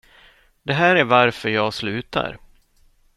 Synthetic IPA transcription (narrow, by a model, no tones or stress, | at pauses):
d̪ɛɦæːɾæɾvaɾfœɾjɑːɡslʉ̟ːt̪a̰ɾ